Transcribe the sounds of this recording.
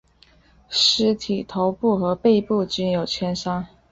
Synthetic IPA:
ʂɻ̩˧˥t̪ʰi˨˩t̪ʰo˧˥ʊpu˥˩xɤ˧˥pe˥˧ɪpu˥˩t͡ɕy˥njo˨˩ʊt͡ɕʰjɛ˥nʂɑ˥ŋ

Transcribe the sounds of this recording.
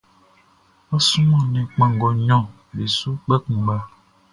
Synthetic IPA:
ɔ˦sũ˦mɔ̃˦˨nɛ̃˨k͡pã˨ŋ˨ɡɔ˨ɲɔ̃˦˨ | be˨su˦k͡pɛ˦kũ˨ɡ͡ba˦

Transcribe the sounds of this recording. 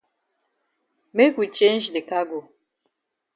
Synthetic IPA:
me˦ku˨t͡ʃe˦n˦d͡ʒdɪ˨ka˦ɡo˨

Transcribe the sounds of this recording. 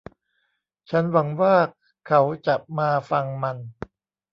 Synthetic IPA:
t͡ɕʰa˦˥nwa˩˦ŋwaː˥˩ | kʰa˦˥wt͡ɕa˨˩p̚maː˧fa˧ŋma˧n

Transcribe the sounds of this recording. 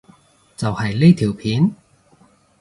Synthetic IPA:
t͡sɐ˨whɐ˨jle˥t̪ʰiː˨˩wpʰiː˨˥n

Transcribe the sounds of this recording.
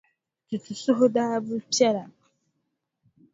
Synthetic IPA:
tu˨tʰu˨sʊ˦ɦʊ˦da˦bʊ˦pja˦ɾa˨

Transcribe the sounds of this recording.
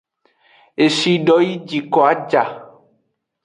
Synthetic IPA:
e˨ʃi˦ɖɔ˦ji˦d͡ʒi˨kɔ˨a˦d͡ʒa˨

